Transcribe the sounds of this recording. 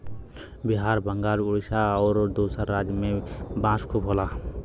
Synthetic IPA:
biɦaɾbəŋɡaɾuɽisaɔːɾd̪osəɾːad͡zjəmebãskʰupɦola

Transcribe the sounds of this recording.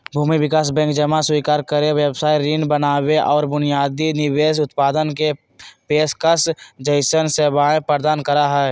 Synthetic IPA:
bʱuːmiʋɪkaːs̬bɛ̃ːŋkd͡ʒəmaswiːkaːɾkəɾeʋjəbsaːiɾiːnbənaːweʔɔːɾbʊnijaːd̪inɪweːsʊt̪paːd̪ənke | peːskəsd͡ʒəɪʃənsebaːẽpɾəɾd̪aːnkəɾaɦɛː

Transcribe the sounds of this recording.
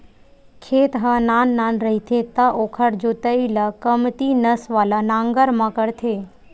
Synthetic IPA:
kʰet̪ɦananːanɾəɦit̪ʰet̪aʔokʰəɽd͡ʒot̪əilakəmt̪inəsʋalanãŋɡəɾmãkəɽt̪ʰe

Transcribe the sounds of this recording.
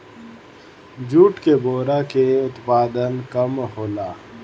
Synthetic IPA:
d͡ʒuːʈkeboːɾakeʊt̪paːd̪ənkɐmhoːlaː

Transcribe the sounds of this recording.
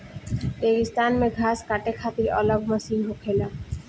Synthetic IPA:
peɡist̪anmeɡʱaskaʈekʰat̪iɾɔ̰labməsinɦokʰela

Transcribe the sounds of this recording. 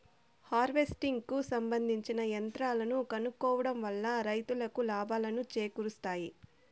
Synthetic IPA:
haːɾʋe̞sʈiŋɡkusɐmbɐnd̪ʱiɲt͡ʃinɐjɐnt̪ɾaːlɐnukɐnukːɔːʋɐɽɐmʋɐlːɐɾɐjt̪ulɐkulaːbaːlɐnut͡ʃeːkuɾust̪aːji

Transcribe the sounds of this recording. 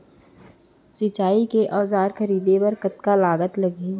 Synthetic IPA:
sɪt͡ʃaːikeʔɔːzaːɾxɐɾiːd̪epɐɾkɐt̪kalaːɡət̪lɐɡi

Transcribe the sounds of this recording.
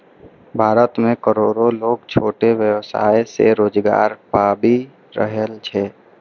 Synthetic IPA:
bʱaːɾət̪mẽkəɾoːɾoloːɡt͡ʃʰoːʈeʋjəwsa̰ːesḛɾoːd͡ʒɡa̰ːɾpaːbi | ɾə̰ɦəlt͡ʃʰɛ

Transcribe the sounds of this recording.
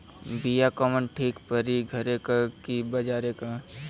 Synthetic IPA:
bijakɔmənʈʰiːkpəɾiɡʱɐɾekakibɐd͡ʒaːɾeka

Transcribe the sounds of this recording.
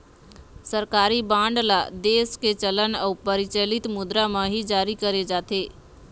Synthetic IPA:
səɾkaːɾibãːɳɖlad̪eːsket͡ʃələnəpɐɾɪt͡ʃəlɪt̪mʊd̪ɾamãɦid͡ʒaːɾikɐɾed͡ʒaːt̪eː

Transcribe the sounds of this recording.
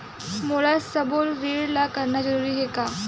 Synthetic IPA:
molasəbolɾeɽlakəɾnad͡zəɾuɾiːɦeka

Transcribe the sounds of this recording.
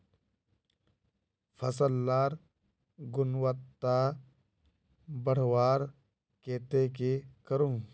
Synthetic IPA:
pʰəsəlːaːɾ | ɡʊnwət̪ːa | bəɽ̤waːɾ | keːt̪ekekəɾũː

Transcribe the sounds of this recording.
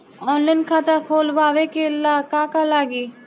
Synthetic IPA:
ɔːnlaːɪnkʰaːt̪akʰoːlʋaːʋekelaːkakalaːɡiː

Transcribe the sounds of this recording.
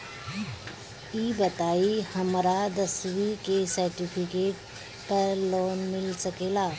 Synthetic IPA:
ibət̪aihəmɾad̪əsʋikesəɾʈipʰikeʈ̚ | pəɾlonmilsəkela

